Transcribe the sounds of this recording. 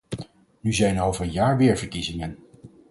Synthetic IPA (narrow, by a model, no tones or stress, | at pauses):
nyzɛjnowvəɹənjaːɹʋɪːɹvəɹkizɪŋən